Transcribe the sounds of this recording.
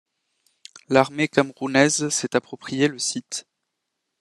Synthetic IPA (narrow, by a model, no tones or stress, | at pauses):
laʁmekamʁunɛzsɛt̪apχɔpχijeləsit̪